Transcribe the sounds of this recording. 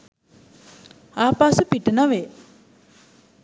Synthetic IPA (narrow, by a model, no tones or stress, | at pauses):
aːpasupiʈənaʋe